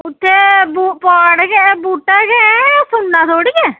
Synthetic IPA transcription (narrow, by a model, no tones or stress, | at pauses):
ʊt̪ʰːeːbuːpaːɽɡɛbuːʈːaːɡɛsʊnːãːt̪ʰoːɽiɡɛː